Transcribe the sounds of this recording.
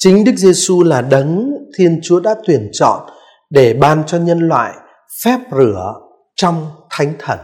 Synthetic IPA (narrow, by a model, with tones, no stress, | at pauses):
t͡ɕï˨˦ŋ̟ɗɨ˦˥k̚ze˧su˧laː˨˩ɗə˨˦nt̪ʰi˧ənt͡ɕu˨˦əɗa̰ː˧˥t̪wi˨˩ənt͡ɕɔ̰˧˨n | ɗe˧˩ɓaː˨˩nt͡ɕɔ˧ɲə˧nlwa̰ː˧˨j | fɛ˦˥p̚zɨ˧˩ə | t͡ɕɔ˧wŋ͡mt̪ʰa˨˦jŋ̟t̪ʰə˧˩n